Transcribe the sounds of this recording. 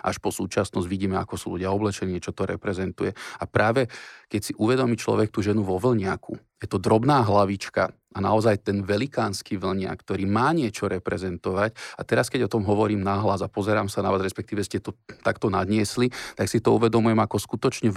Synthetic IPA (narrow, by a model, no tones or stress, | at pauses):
ʔa̰ʃpɔsuːt͡ʃasnɔzɟʋiɟiːmɛa̰kɔsuːlṵɟɪaɔblɛt͡ʃɛniːt͡ʃɔt̪ɔɾɛpɾɛzɛnt̪ujɛapɾaːʋɛkɛcsiʔuʋɛd̪ɔmit͡ʃlɔ̰ʋɛk̚t̪uʒɛnuʋɔʋl̩ɲɪakʰṵjɛt̪ɔd̪ɾɔbnaːɦlaʋit͡ʃka | ana̰ɔzajt̪ɛnʋɛlikaːnskiːʋl̩ɲɪa̰kkt̪ɔɾiːmaːɲɪɛt͡ʃɔɾɛpɾɛzɛnt̪ɔʋacat̪ɛɾaskɛɟɔt̪ɔmɦɔʋɔɾiːmnaɦlazapɔzɛɾaːmsanaʋaːzɾɛspɛkt̪iːʋɛscɛt̪ɔt̪akt̪ɔnad̪ɲɪɛslit̪aksit̪ɔuʋɛd̪ɔmujɛmakɔskut̪ɔt͡ʃɲɛ